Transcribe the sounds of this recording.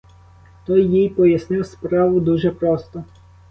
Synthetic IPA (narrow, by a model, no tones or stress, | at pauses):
t̪ɔjːijpɔjɐsnɪwspɾɑʋʊd̪uʒɛpɾɔst̪ɔ